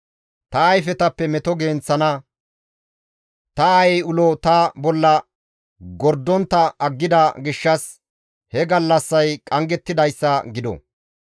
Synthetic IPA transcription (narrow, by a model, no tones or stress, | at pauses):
t̪ɐːjfɛt̪ɐpːɛmɛt̪ɔɡeːnt͡sːɐnɐ | t̪ɐɐjɛjʊlɔt̪ɐbɔlːɐ | ɡɔɾd̪ːɔnt̪ːɐʔɐɡːɪd̪ɐɡɪʃːɐs | hɛɡɐlːɐsːɐjkʼɐŋɡɛt̪ːɪd̪ɐjsːɐɡɪd̪ɔ̰